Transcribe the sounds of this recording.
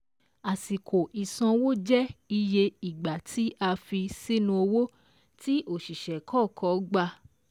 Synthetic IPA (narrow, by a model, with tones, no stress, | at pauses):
a˨si˨kʰo˨ʔi˨sɔ̃˧wo˦d͡ʒɛ˦i˧je˧i˨ɡ͡ba˨tʰi˨˦ʔa˧fi˧si˦nũ˧o˧wo˦ | ti˦ʔo˦˨ʃi˨ʃɛ˨kʰɔ˦˨kʰɔ˨˦ɡ͡ba˧˨